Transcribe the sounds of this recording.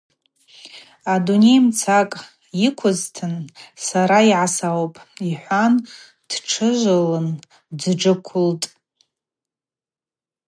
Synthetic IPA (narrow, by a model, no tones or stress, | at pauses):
adune̞jmt͡sʰakʼ | jikʷʰʊztʰɨnsaɾaiʕasawpʼiħʷan | d̥ʈ͡ʂʰɨʒʷalɨn | d͡zʈ͡ʂɨkʷʰʊltʼ